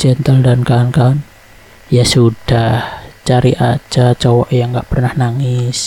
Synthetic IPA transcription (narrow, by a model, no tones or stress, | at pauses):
d͡ʒ̥ɛnt̪əldankankan | jasud̥aht͡ʃaɾiʔḁd͡ʒ̥at͡ʃɔwɔʔjaŋɡaʔpərnahnaŋɪs